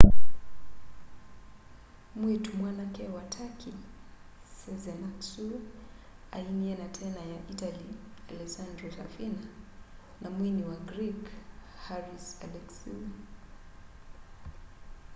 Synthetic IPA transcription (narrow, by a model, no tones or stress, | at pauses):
mwɛtumwanakɛwatʰakʰi | sɛzɛnaksu | ainiɛnatʰɛnajaʔitalialɛsandɾɔtafina | nʔamwiniwaɡɾikhaɾisalɛksi